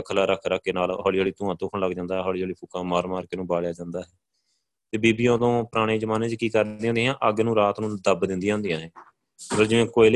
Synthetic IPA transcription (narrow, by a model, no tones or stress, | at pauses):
kʰəlaːɾəkʰɾəkʰːeːnaːlɦɔːliːoːɭiːt̪ʊ̃ːãːt̪õːkʰəɳləɡd͡ʒãːnd̪aːɦɛːɦɔːliːoːliːpʰʊkãːmaːɾmaːɾkeːnũːbaːɭjaːd͡ʒãːnd̪aːɦɛː | t̪eːbiːbiːõːd̪õːpəɾaːɽ̃ẽːd͡ʒəmaːnẽːd͡ʒkiːkəɾd̪ẽːɦːnd̪ːɦãːʔəɡnũːɾaːt̪nũːd̪əbd̪ɪ̃nd̪ijãːɦʊnd̪ijãːɦɛː | ɾəd͡ʒẽːkoːil